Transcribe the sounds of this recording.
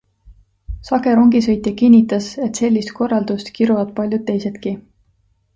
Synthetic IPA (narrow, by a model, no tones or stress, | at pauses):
sɑɡe̞ɾo̞ŋɡisɤ̞jt̪ˑɑkinʲːit̪ːˑɑse̞t̪se̞lʲːist̪̚ko̞rːɑld̪̥ust̪kiɾuvɑd̪̥̚pɑlʲjud̪̥̚t̪ːe̞jse̞t̪ki